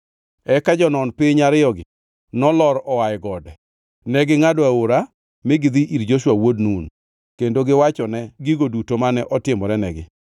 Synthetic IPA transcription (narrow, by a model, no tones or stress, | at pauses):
ɛkad͡ʒɔnɔnpɪɲaɾɪjɔɡɪ | nɔlɔɾɔwajɪɡɔdɛ | nɛɡɪŋadɔaoɾa | mɪɡɪd̪iʔiɾd͡ʒoʃwawodnun | kendoɡɪwat͡ʃɔnɛɡiɡodutomanɛʔɔtɪmɔɾɛnɛɡɪ̰